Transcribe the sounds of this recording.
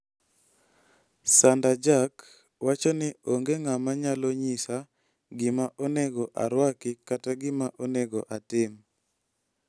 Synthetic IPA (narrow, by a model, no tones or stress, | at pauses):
sandad͡ʒak | wat͡ʃɔnɪoŋɡeŋamaɲaloɲisa | ɡɪmaʔoneɡɔʔaɾwakɪkataɡɪmaʔoneɡɔʔatɪm